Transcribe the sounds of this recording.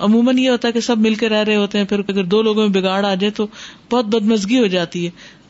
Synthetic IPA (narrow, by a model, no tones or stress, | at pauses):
ɐmũːmənjeɦoːt̪aɦɛkesɐbmɪlkeɾɛɦɾɐɦeɦoːt̪eɦɛ̃pʰɪɾɐɡəɾd̪oːloːɡõmẽbɪɡaːɽaːd͡ʒaːẽt̪ob̥ɔːt̪̚bɐd̪mɐzɡiɦod͡ʒaːt̪iɦɛː